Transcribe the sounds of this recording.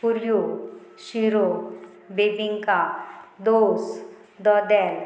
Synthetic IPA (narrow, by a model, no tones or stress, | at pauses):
puljoɕiɾo | bebiŋkad̪os | d̪ɔd̪ɛl